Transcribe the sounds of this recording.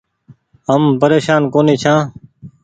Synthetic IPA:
əmpəɾeːʃaːnkoːniːt͡ʃʰãː

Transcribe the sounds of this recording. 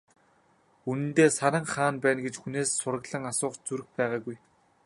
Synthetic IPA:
unɘ̆nt̪eːsaɾə̆ŋχaːnpæːnɡet͡ɕxuneːsːʊrə̆ɣɮə̆ŋasʊːχt͡suɾɘ̆xpæːʁaːɡuj

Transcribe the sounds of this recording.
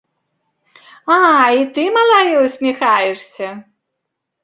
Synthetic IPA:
ait̪ɨmalˠajɛwsʲmʲixajɛʂsʲɐ

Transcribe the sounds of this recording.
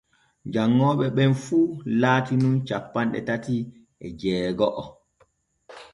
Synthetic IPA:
d͡ʒaŋːɔːɓɛɓɛnfuːlaːtinunt͡ʃapːanɗɛ̰tati | ɛd͡ʒɛːɡɔʔɔ

